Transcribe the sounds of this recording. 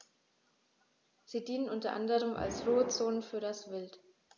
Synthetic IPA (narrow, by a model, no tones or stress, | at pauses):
z̥iːdiːnənʔʊntɐʔa̰ndəʁəma̰lsʁoːət͡soːnənfyːɐɾasv̥ɪlt